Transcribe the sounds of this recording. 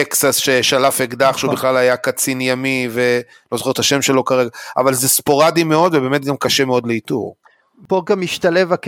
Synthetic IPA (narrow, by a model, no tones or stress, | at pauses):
eksasʃeʃalafeɡd̪aχʃubiχlalajakat͡sinjamive | lo̞zoχe̞et̪haʃe̞mʃe̞lo̞kaʁeɡaa̰valzespo̞ʁadime̞o̞d̪vebe̞ːmet̪̚ɡamkaʃemeo̞dleitṵʁ | poɡamiʃt̪alevak